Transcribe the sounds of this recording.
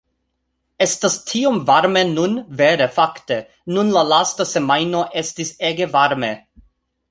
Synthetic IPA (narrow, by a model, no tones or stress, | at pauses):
estastʰiomvaɾmenunveɾefakte | nunlalastasemajnoʔestiseɡevaɾme